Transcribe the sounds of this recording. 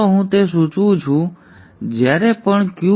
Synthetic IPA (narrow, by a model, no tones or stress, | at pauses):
oɦũt̪es̬ũt͡ʃũt͡ʃʰũ | d͡ʒjaɾepəɳkjũ